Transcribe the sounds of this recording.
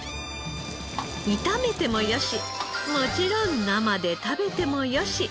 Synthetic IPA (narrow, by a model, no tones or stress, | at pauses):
mit̪ame̞t̪e̞mo̞joɕi | mo̞t͡ɕiɾõnnamad̪e̞t̪abe̞t̪e̞mo̞joɕi